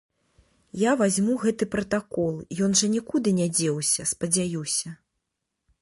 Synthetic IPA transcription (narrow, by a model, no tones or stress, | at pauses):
javazʲmuɣɛt̪ɨpɾɐt̪akɔlˠjɔnʐɐnʲikud̪ɨnʲad͡zʲɛwsʲɐspɐd͡zʲajusʲɐ